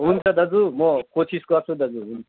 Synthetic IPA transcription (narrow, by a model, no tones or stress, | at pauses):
ɦunt͡sʰad̪ʱʌd͡zumɔkosiskɔt͡sʰud̪ʌd͡zuɦunʰa